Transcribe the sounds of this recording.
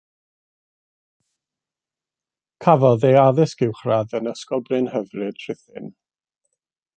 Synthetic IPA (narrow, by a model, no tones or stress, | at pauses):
kʰavɔðejaðɪsɡ̥ɪwχraðənəskɔbrɨnhəvrɨd̥ʰr̥ɪθɪ̰n